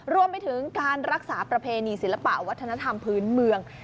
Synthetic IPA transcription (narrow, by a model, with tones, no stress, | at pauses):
ɾu˧əmpa˧jt̪ʰɯ˩˦ŋkaː˧nɾa˦˥k̚saː˩˦pɾa˧pʰeː˧niː˧si˩˦la˧pa̰˨˩wa˦˥t̪ʰːna˧˥t̪ʰa˧mpʰɯː˦˥nmɯ˧əŋ